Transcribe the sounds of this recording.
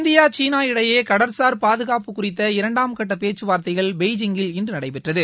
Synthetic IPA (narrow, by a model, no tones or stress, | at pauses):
nd̪ɪjaːt͡ʃiːnaːɪɽɐjeːkɐɽɐɾsaːɾpaːðɯɣaːpɯkʊrɪt̪̬ːɐɪɾɐɳɖaːmkɐʈːɐpeːt͡ʃːɯʋaːɾt̪ɐɪɣɐɭbɛɪd͡ʒɪŋɡɪlɪndrɯnɐɽɐɪpɛʈrɐðɯ